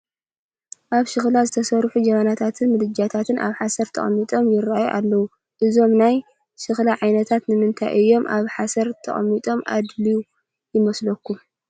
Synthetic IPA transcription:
ʔaβʃɨxlazɨt̪ʰɐsɐɾħud͡ʒɐmanat̪ʰat̪ʰɨnmɨd̪ɨd͡ʒat̪ʰat̪ʰɨnʔa̰βħasɐɾt̪ʰɐ̰χʼɐmːit̪ʼo̞mjɪɾajuʔalːɐwu | ʔɨzo̞mnaj | ʃɨxlaʕajnɐt̪ʰat̪nɨmɨnt̪ʰa̰jʔɨjːo̞mʔaβħasɐɾt̪ʰɐ̰χʼɐmːit̪ʼo̞mʔa̰d̪liju | jɪmɐslɐkʰːu

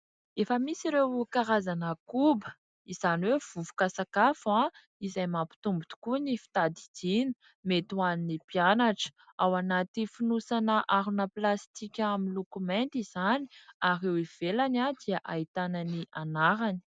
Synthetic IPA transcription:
efəmisiɾewkaɾazanəkubə̥ | iz̥aniwev̥uvu̥kasakafã | izajmapi̥t̪umbit̪u̥kunifi̥t̪ad̪id̪̥inə̥ | met̪uaninipianaʈ͡ʂə̥ | awanat̪ifinusanəʔaɾunəplast̪ikʲaminlokument̪iz̥ani̥aɾewiv̥elanad̪iaʔait̪ananiʔanaɾani̥

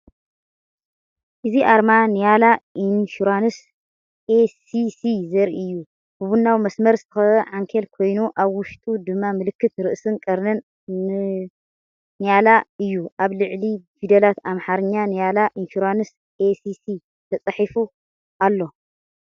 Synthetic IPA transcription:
ʔɨziʔaɾmanɨjalaʔinfuɾanɨs | ʔesisizɐɾiɨjːu | bɨβunːawmɐsmɐɾzɨt̪ʰɨxɐʕaŋkʰelkʰo̞jnuʔaβwʊʃt̪ʼud̪ɨmːamɨlɨkːɨt̪ɾɨʔsɨnkʼɐɾnɐn | nɨjalaɨjːuʔaβlɨʕlifid̪ɐlat̪amħaɾɨɲːanɨjalaʔinfuɾanɨs | ʔesisi | t̪ʰɐt͡sʼɐħifu | ʔalːo̞

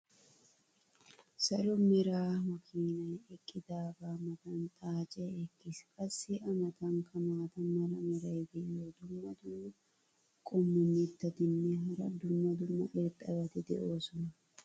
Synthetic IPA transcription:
sɐɾʊmɪɾaːmɐkʰiːnɐɛkʼːɪd̪aːbaːmɐt̪ɐnt̪ʼaːt͡ʃʼɛɛkːɪskʼɐsːiʔɐmɐt̪ɐŋkʰɐmaːt̪ɐnːɐɾɐmɪɾɐjɡ̪ɛjoːd̪ʊmːɐd̪ʊmːɐ | kʼɔmːʊnːit̪ːɐt̪ɪnːeɦɐɾɐd̪ʊmːɐd̪ʊmːɐ̰ʔɛkʼːɐbɐt̪ɛd̪ɛ̰ʔoːsɔnɐ

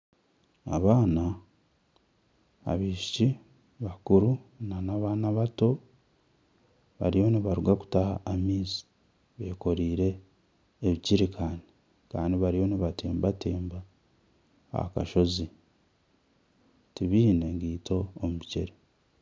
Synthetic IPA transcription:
a̰βaːna | βiːʃi̥ci | βakuɾunanaβanaβato̞ | βa̰ɾiho̞niβaɾuɡaku̥taha̰ːmiːzi̥ | βe̞ːko̞ɾiːɾe̞ː | βiciɾikʰaːni | kaːndiβaɾijo̞niβateːmbateːmba | ka̰ʃo̞zi | tiβiːne̞ŋɡiːtʰo̞ːmuceɾi

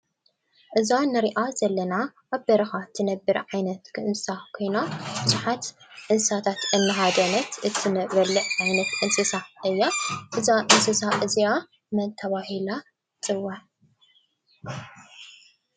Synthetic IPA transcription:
ʔɨzanɨɾiʔazɐlːɐna | ʔːβbɐɾɐxat̪ʰɨnɐbːɨɾʕajnɐt̪kʰɨʔɨnsakʰojnab̥ɨzuħat̪ | ʔɨnsat̪ʰat̪ʔɨnːɨɦad̪ɐnɐt̪ʔɨt̪ʰɨnɐβɐlːɨʔʕajnɐt̪ʔɨnsɨsaʔɨjːaʔɨzaʔɨnsɨsaʔɨzia | mɐnt̪ʰɐβahila | t͡sʼɨwːa

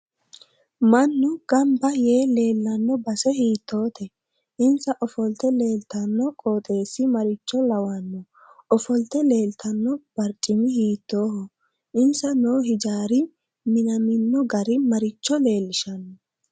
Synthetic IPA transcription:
mɐnːʊɡ̥ɐmbɐje̞ːle̞ːlːɐnːɔbɐsɛhiːt̪ːo̞ːt̪ʰɛ | ʔɪnsɐʔɔfɔlt̪ɛle̞ːlt̪ɐnːɔkʼoːt̪ʼe̞ːsːɪmɐɾɪt͡ʃːɔlɐwɐnːɔ | ɔfɔlt̪ɛle̞ːlt̪ʰɐnːɔb̥ɐɾt͡ʃʼːɪmɪhiːt̪ːoːhɔ | ʔɪnsɐnoːɦɪd͡ʒaːɾɪ | mɪnɐmɪnːɔɡɐɾɪmɐɾɪt͡ʃːɔle̞ːlːɪʃɐnːɔ

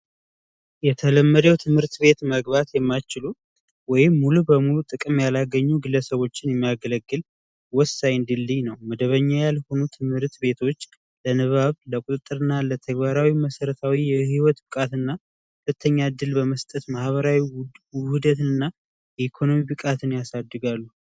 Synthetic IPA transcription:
jɛt̪ʰələmːəd̪əwt̪ʰɨmhɨɾt̪be̞t̪məɡβat̪jɛmːajt͡ʃɪlu | wɔjɪmːulubəmulut̪ʼɨkʼɨmjalaɡəɲːuɡɨlːəsəβo̞t͡ʃːɪnjɛmːijaɡələɡːɨl | wɔsːajɨnd̪ilːijnəwməd̪əβəɲːajalho̞nut̪ʰɨmhɨɾt̪be̞t̪ʰo̞t͡ʃː | lənɨβaβləkʼut̪ʼɨt̪ʼːɨɾɨnːalət̪ʰəɡbaɾawiməsəɾət̪ʰawijɛhiwɔt̪bɨkʼat̪ɨnːa | hulət̪ʰːəɲːad̪ɨlbəməst̪ʼət̪mahβəɾawihud̪ət̪ɨɨnːa | jɛikʰo̞no̞mibɨkʼat̪ʰɨnjasad̪ːɨɡalːu

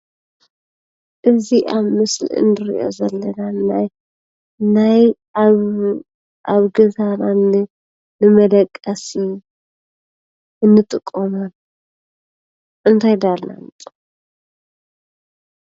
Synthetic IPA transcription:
ʔɨziʔaβmɨslḭɨ̰nɨɾḭʔo̞̰zɐlːɐnanaj | naj | β | ʔaβɡɐzananɨ | nɨmɐd̪ɐkʼːɐsi | ɨnːɨt̪ʼɨkʼːomɐn | ʔɨnt̪ʰajd̪alna̰nɨt̪ʼ

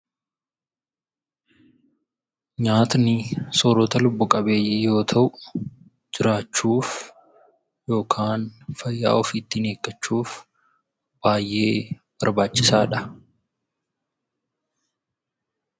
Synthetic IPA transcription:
ɲaːt̪nɪsoːɾot̪ɐlʊbːʊkʼɐbe̞ːjːɛjo̞ːt̪ʰɐʔʊ | d͡ʒɪɾaːt͡ʃːuːf | jo̞ːkʰaːnfɐjːa̰ːʔɔfiːt̪ːɪne̞ːkːɐt͡ʃːuːf | b̥aːjʔe̞ː | b̥ɐɾbaːt͡ʃːɪsaːᶑɐ

